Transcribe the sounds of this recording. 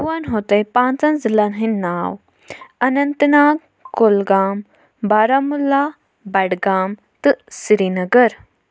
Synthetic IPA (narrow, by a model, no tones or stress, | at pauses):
wanɦot̪ɐjpãːnt͡sɐ̃nzilanɦinːaːw | ɐnɐnt̪naːɡ | kolɡaːm | baːɾamulːaː | bɐɽɡaːm | t̪ɨsiɾinɐɡəɾ